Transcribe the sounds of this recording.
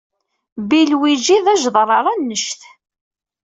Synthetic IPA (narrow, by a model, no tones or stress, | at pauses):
bilwid͡ʒiðæʒðˤɾˤɑɾˤɑnːəʃθ